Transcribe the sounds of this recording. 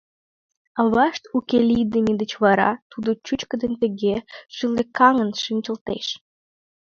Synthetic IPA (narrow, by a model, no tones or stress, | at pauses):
əβɑʃt̪ukelʲid̪əmʲid̪ət͡ɕβɑɾɑ̰t̪ud̪ot͡ɕut͡ɕkə̆d̪ə̆nʲt̪ə̆ɣeʃɨlekɑŋə̆nʃinʲt͡ɕə̆lt̪ḛʃ